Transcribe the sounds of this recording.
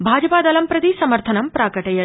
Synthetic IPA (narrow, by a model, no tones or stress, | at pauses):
bʱaːd͡ʒɐpaːd̪ɐlɐmpɾɐd̪isɐmɐɾt̪ʰɐnɐmpɾaːkɐʈɐjɐ